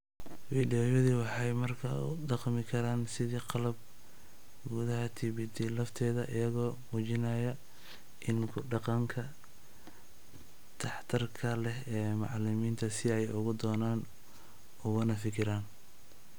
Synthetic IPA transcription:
fiːɖijɔːjɔðiːwɑħɑjmɐrkʰɐ̰ʊ̰d̪ɑqmɪkʰɐɾaːnsɪðiːqɑlɐb̚ | ɡuðɐɦɐt̪ʰɪβɪd̪ilɐft̪ʰɛːðɐʔɪjɐɣɔːmuːt͡ʃɪnɐːjɐ | ʔɪnkʰʊɖɑqɑŋkʰɐ | t̪ʰɑħt̪ʰɐrkʰɐlɛhɛːmɑ̰ʕlɪmiːnt̪ʰɐsɪɛjʊɣʊd̪ɔːnaːn | ʊɣʊnɐfɪkʰɪɾaːn

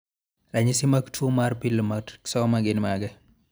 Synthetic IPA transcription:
ɾaɲisimaktʰumaɾpilːmḁksɔmaɡɪnmaɡɛ

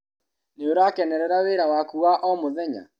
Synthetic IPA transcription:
neoɾakɛnɛɾɛɾaweɾawakuwaʔɔmoðɛɲa̰

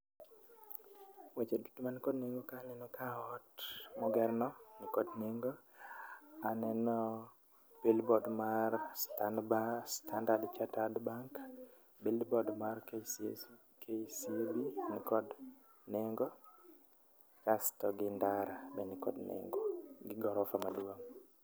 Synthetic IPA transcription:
wet͡ʃedutomanikɔdneŋɡɔkanɛnɔkʰaɔtmɔɡɛɾnɔnikɔdneŋɡɔ | anɛnɔ | b̥ilbɔdmaɾstanbastʰandadt͡ʃatadbaŋk | bilbɔdmarke | kʰesibinikɔd | nɛŋɡɔ | kastɔɡɪndaɾabɛnikɔ̰dnɛ̰ŋɡɔɡɪɡɔɾɔfamaduoŋ

